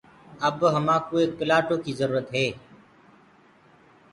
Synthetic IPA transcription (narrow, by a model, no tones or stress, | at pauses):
əbɦəmãːkoːeːkːɪlaːʈoːkiːzəɾuːɾət̪ɦeː